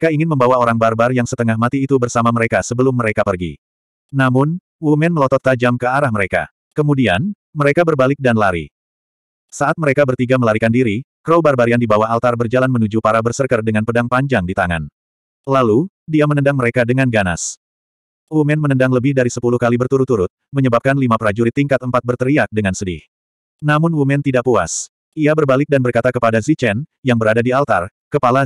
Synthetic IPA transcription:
kaiŋɪnməmbawaoɾaŋbarbarjaŋsət̪əŋahmat̪iːt̪ubərsamaməɾekasəbəlʊmːəɾekapərɡḭː | amʊn | umɛnməlɔt̪ɔt̪̚kad͡ʒamkəaɾahməɾeka̰ | kəmudian | məɾekabərbalɪk̚danlaɾḭ | saʔat̪̚məɾekabərt̪iɡaməlaɾikandiɾikəɾɔlbarbaɾiandibawaɦalt̪arbərd͡ʒalanmənud͡ʒupaɾabərsərkərdəŋanpədaŋpaɲd͡ʒaŋdit̪aŋa̰n | lalu | diamənəndaŋməɾekadəŋanɡana̰s | wumɛnmənəndaŋləbɪhdaɾisəpuluhkalibərt̪uɾut̪uɾʊt̪̚məɲəbap̚kanlimapəɾad͡ʒuɾit̪iŋkat̪əmpat̪̚bərt̪əɾiak̚dəŋansədɪh | namʊnwumɛnt̪idaʔpua̰s | ʔiabərbalɪk̚danbərkat̪akəpadazit͡ʃɛnjaŋbəɾadadialt̪a̰r | kəpala

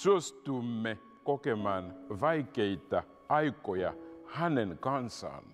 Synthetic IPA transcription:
sostumːɛ | kokɛmanvajkeita | ajkɔja̰hanɛnkansa̰n

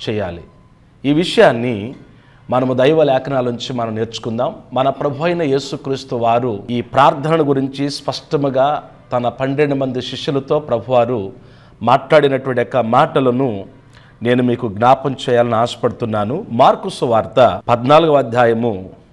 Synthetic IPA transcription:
t͡ʃɛːja̰ːlḭ | iːʋiʂɐjaːnːi | mɐnɐmud̪ɐjʋɐlɛːkʰɐnaːluɲt͡ʃimɐnɐmne̞ːɾt͡ʃu̥kund̪aːmːɐnɐpɾɐbʱuʋɐjnɐje̞ːsukɾiːst̪uʋaːɾuiːpɾaːɾt̪ʰɐnɐnɐɡuɾiɲt͡ʃispɐʂʈɐmuɡaː | t̪ɐnɐpɐɳɖeɳɖɐmɐnd̪iʃiʂulɐt̪o̞ːpɾɐbʱuʋaːɾu | maːʈlaːɽinɐʈuɐɳʈjɔkːɐmaːʈɐlɐnu | ne̞ːnumiːkuɡnaːpɐmt͡ʃɛːjaːlɐniaːsɐ̥pɐɽut̪unːaːnumaːɾkusuʋaːɾt̪ɐpɐd̪naːluɡuɐd̪ʱjaːjɐmu

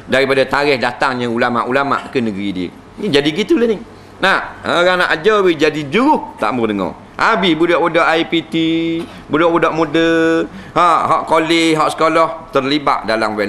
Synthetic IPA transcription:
daɾipadat̪aɾɛhdat̪aŋɲəulama̰ʔulama̰ʔkənəɡəɾidiə̰ | id͡ʒadiɡit̪ulənɪ | nahoɣaŋna̰ʔad͡ʒawid͡ʒadid͡ʒuɾʊht̪a̰ʔmʊrdəŋɔ̰ | ʔabɪhbudɔʔwudɔʔaipit̪i | budɔʔbudɔʔmodəhaʔɦɔʔkolɪɦɔʔsə̥kolɔht̪ərliba̰ʔdalamwɛ

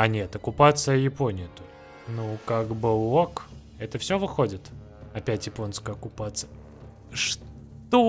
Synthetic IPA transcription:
ɐnʲe̞t̪ɐkʊpat̪sɨjəjɪpo̞nʲɪjɪt̪olʲ | nukaɡbɨlˠok | ɛt̪əfsʲovɨxodʲɪt̪ | ɐpʲætʲjɪpo̞nskəjɐkʊpat̪sɨjə | ʂ | t̪o

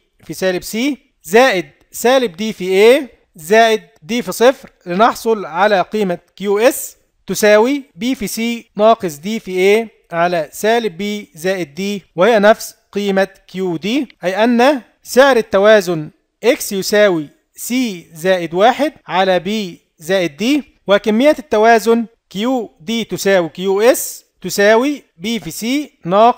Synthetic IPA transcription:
fisæːlɪbsiː | zæːʔɪd̪̚ | sæːlɪb̚d̪iːfiʔeː | zæːʔɪd̪̚ːiːfisˤɨfɾlɪnɑħsˤolʕalæqiːmækjuːʔes | t̪ʊsæːwibiːfisiːnɑːqɨsˤd̪iːfiʔeː | ʕalæsæːlɪbːiːzæːʔɪd̪ːiːwɪhɪjːænæfsqiːmakɪjuːd̪iːʔæjʔænːæ | sɪʕɾɪt̪ːæwæːzʊn | ʔɪksjʊsæːwi | siːzæːʔɪd̪waːħɪd̪̚ʕalæbiː | zæːʔɪd̪̚ːiː | wɪkæmːɪjːæt̪ːæwæːzʊn | kijuːd̪iːt̪ʊsæːwikɪjuːʔes | t̪ʊsæːwi | biːfiːsiːnɑːq

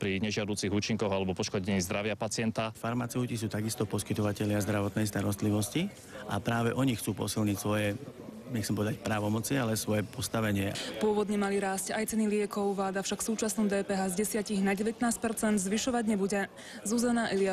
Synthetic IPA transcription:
pɾiɲɛʒɪad̪uːt͡siɣuːt͡ʃiŋkɔɣalɛbɔpɔʃkɔɟɛɲiːzd̪ɾaʋɪapat͡sɪɛnt̪afaɾmat͡sɛʊcis̬uːt̪aɡist̪ɔpɔskit̪ɔʋacɛʎɪazd̪ɾaʋɔt̪nɛjst̪aɾɔst̪liʋɔsci | ʔa̰pɾaːʋɛʔɔɲixt͡suːpɔ̰silɲicsʋɔjɛ | ɲɛxkt͡ssɛmpɔʋɛd̪acpɾaːʋɔmɔt͡sialɛsʋɔjɛpɔst̪aʋɛɲɪɛpʊɔʋɔd̪ɲɛmaliɾaːscajt͡sɛnilɪɛkɔʊʋlaːd̪afʃakfsuːt͡ʃasnɔmd̪ɛːpɛɦaːzɟɛsɪaciɣnaɟɛʋɛt̪naːsc̚pɛɾt͡sɛnd̪zʋiʃɔʋaɟɲɛbuɟɛ | zuzanaʔɛlɪa

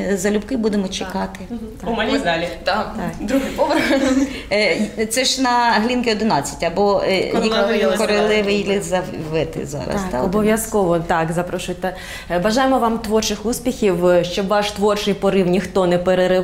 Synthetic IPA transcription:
zɐlʲʊbkɪbud̪emɔt͡ʃekɑt̪ɪ | t̪d̪lʲt̪t̪akd̪ɾuɪpɔbɾ | t̪sɛʃnɐɦlʲinkɪɔd̪ɪnɑt͡sʲːɐ̥tʲɐbɔjiklˠkɔɾelˠɪʋɪjlʲˠɪzɐʋɪt̪ɪ̰zɑ̰ɾɐ̰st̪ɑɔbɔʋʲjɐskɔʋɔt̪ɑkzɐpɾɔʃʊjt̪ɐ | ʋɐʒɑjɪmɔʋɑmt̪ʋɔrt͡ʃɪxuspʲixʲiwʃt͡ʃɔʋɑʃt̪ʋɔrt͡ʃɪjpɔɾɪwnʲixt̪ɔnɛpeɾeɾɪ

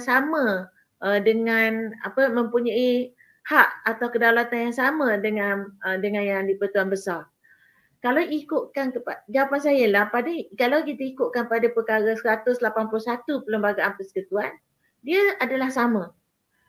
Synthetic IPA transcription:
samã | ʔədəŋãna̰pəmə̃mpuɲai | haʔat̪awkədalat̪anjaŋsamãdəŋanədəŋãnjaŋdipərt̪uanbəsar | kalawikʊʔkankəpad͡ʒawapansajəlahpadakalawkit̪aikʊʔkanpadapəkaɾəsəɾat̪ʊslapanpulʊsat̪upələmbaɡaʔanpəsə̥kət̪uan | diəadalahsamã

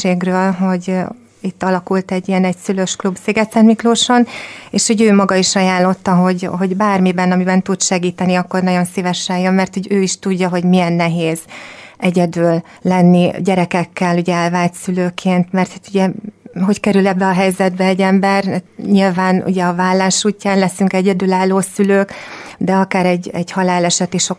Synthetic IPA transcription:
eːɡrøːlɦo̞ɟ | it̪ːɒlɒkult̪ɛɟːijɛnɛɟsyløʃklubseːɡɛt̪sɛnmikloːʃo̞neːʃho̞ɟøːmɒɡɒiʃɒjaːllːo̞t̪ːɒɦo̞ɟɦo̞ɟbaːrmibɛnɒmibɛnt̪ut̪ʃɛɡiːt̪ɛniɒkːo̞rnɒɟo̞nsivɛʃɛjømmɛrt̪huɟøːiʃt̪uɟːɒɦo̞ɟmijɛnːɛɦeːzʔɛɟɛd̪yːlː | ɛnːiɟɛɾɛkɛkːɛluɟɛɛlvaːlt̪syløːkʰeːnt̪mɛrt̪hat̪uɟɛɦo̞ckɛɾylɛbːɛɒɦɛjzɛd̪̚bɛɛɟːɛmbɛrɲilvaːnṵɟɛɒvaːlːaːʃuːcːaːnlɛsyŋkɛɟɛd̪ylaːlːoːsyløːkd̪ɛɒkaːɾɛɟːɛɟhɒlaːlɛʃɛt̪iʃo

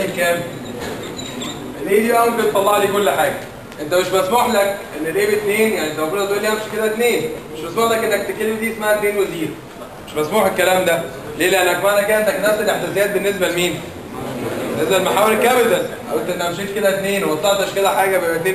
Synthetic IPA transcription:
ekːæːbe | ʔenʔeːd̪ibæwembet̪ˤːɑlˤːɑʕliːkolːħaːɡæ | ʔent̪æmeʃbæsmoːħlækʔenːelʔeːbet̪neːnjaʕniʔet̪æmæɡuːd̪ɑt̪ʔuːlːeææmʃi̥ked̪æt̪neːnmeʃmæsmoːħlækʔenːæk̚t̪ekːelmed̪iːʔesmaʕæt̪neːnweziːɾ | meʃmæsmuːħekːælæːmd̪æ | leːlæʔenːækmæʕnækææent̪æknæfselʔeħt̪æsejæːt̪̚benːes̬bælmiːn | benːesbælmaħaweɾekːæːbelæsʔæwent̪ʔenːæmʃiːt̪ked̪æt̪neːnwet̪ed̪ɑʃked̪æħaːɡæbeet̪neː

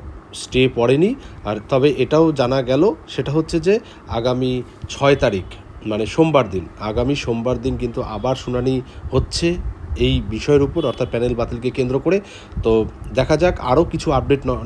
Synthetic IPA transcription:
sʈepɔɽeniaɾt̪ɔbeʔeʈaod͡ʑanaɡɛloʃeʈaɦotːɕʰed͡ʑe | aɡami | t͡ɕʰɔet̪aɾik | maneʃombaɾd̪inaɡamiʃombaɾd̪inkint̪uʔa̰baɾʃunanihotːɕʰeejbiʃɔeɾupoɾɔɾt̪ʰat̪̚pɛnelbat̪ilkekend̪ɾokoɽe | t̪od̪ɛkʰad͡ʑaka̰ɾokit͡ɕʰuab̚ɖeʈn

